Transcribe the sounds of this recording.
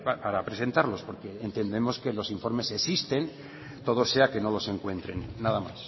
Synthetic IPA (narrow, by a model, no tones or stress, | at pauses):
papaɾapɾe̞se̞nt̪aɾlo̞spo̞ɾke̞eːnt̪e̞nd̪e̞mo̞ske̞lo̞siɱfo̞ɾme̞se̞sist̪e̞n | t̪o̞ð̞o̞se̞ake̞no̞lo̞se̞ŋkwe̞nt̪ɾe̞nːaðamas